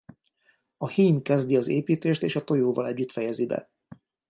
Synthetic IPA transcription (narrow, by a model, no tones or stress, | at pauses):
ɒhiːmkɛzd̪iɒzeːpiːt̪eːʃt̪eːʃɒt̪o̞joːvɒlɛɟːyt̪fɛjɛzibɛ̰